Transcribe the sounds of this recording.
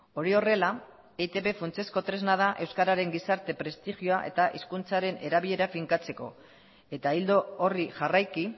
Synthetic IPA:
o̞ɾio̞re̞la | et̪e̞βe̞funt͡se̞sko̞t̪ɾe̞znað̞aʔe̞wskaɾaɾe̞ŋɡisaɾt̪e̞pɾe̞st̪iʝioaʔe̞̰t̪aʔiskunt͡saɾe̞ne̞ɾaβiʎe̞ɾafiŋkat͡se̞ko̞ | e̞t̪aild̪o̞ːriʝarajki

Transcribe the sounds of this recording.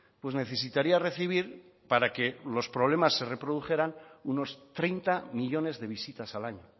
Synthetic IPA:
pwe̞ne̞θe̞s̬it̪aɾiare̞θiβ̞iɾ | paɾake̞lo̞spɾo̞βle̞masːe̞re̞pɾo̞ðuxe̞ɾanuno̞st̪ɾejnt̪amiʎo̞ne̞zðe̞β̞isit̪asalaɲo

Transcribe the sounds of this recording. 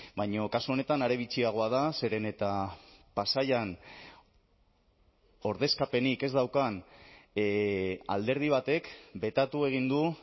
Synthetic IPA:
bajɲo̞kasuo̞ne̞t̪anaɾe̞β̞it͡siaɣ̞o̞að̞ase̞ɾe̞ne̞t̪apasajan | o̞ɾð̞e̞skape̞nike̞zd̪awkan | a̰ld̪e̞ɾð̞iβ̞at̪e̞kbe̞t̪at̪ue̞ɣ̞ind̪u

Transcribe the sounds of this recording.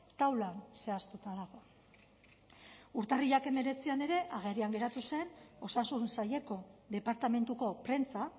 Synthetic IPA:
t̪awlanse̞ast̪ut̪aðaɣo̞ | uɾt̪ariʎake̞me̞ɾe̞t͡siane̞ɾe̞ʔaɣ̞e̞rɾiaŋɡe̞ɾat̪use̞no̞sasunsaje̞ko̞ðe̞paɾt̪ame̞nt̪uko̞pɾe̞nt͡sa

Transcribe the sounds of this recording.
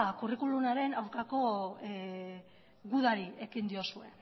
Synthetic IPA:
kurikulunaɾe̞nawɾkako̞ | ɣuðaɾie̞kind̪io̞sue̞

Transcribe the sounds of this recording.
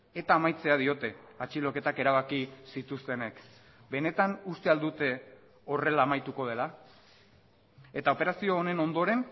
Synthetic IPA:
e̞t̪aːmajt͡se̞aðio̞t̪e̞at͡ʃilo̞ke̞t̪ake̞ɾaβ̞akisit̪ust̪e̞ne̞k | be̞ne̞t̪anust̪e̞ald̪ut̪e̞ | o̞re̞laːmajt̪uko̞ð̞e̞la | e̞t̪ao̞pe̞ɾasio̞ːne̞no̞nd̪o̞ɾe̞n

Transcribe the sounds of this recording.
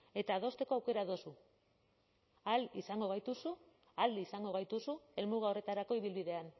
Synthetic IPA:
e̞t̪aːðo̞st̪e̞ko̞awke̞ɾaðo̞su | alisaŋɡo̞ɣ̞ajt̪usu | ald̪iisaŋɡo̞ɣ̞ajt̪usue̞lmuɣ̞ao̞re̞t̪aɾako̞iβ̞ilβiðe̞an

